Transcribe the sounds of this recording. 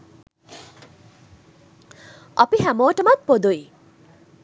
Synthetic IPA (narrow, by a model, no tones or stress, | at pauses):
ɔpiɦæmoːʈəmat̪̚pod̪uj